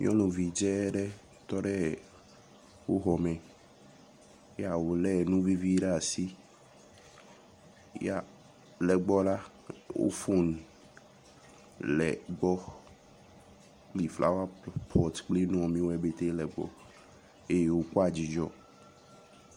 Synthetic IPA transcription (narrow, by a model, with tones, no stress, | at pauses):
ɲɔ̰̃˦nũ˨vi˨d͡ʒɛ˦ɖɛ˦ | t̪ɔ˦ɖɛ˦ | wo˦ɦɔ˨mɛ̃˨ | ja˨wo˨lɛ˦˨nũ˦vi˦vi˦ɖɛ˦a˨si˦ | ja˦˨ | lɛ˨ɡ͡bɔ˦ɖa˦ | wo̰˦fo˦n | lɛ̰˨ɡ͡bɔ˦ | k͡pli˨fla̰˦wa˦pʰɔ˨t̪k͡ple˦n˦ɔ̃˨mĩ˦wo˦ɛ˦be˦t̪e˦lɛ˨ɡ͡bɔ̰˦ | e˦je˦wo˦ku˦a˨d͡ʑi˨d͡ʒɔ˦